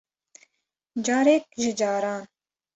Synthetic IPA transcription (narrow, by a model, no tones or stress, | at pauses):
d͡ʒɑːɾek̚ʒɪd͡ʒɑːɾɑːn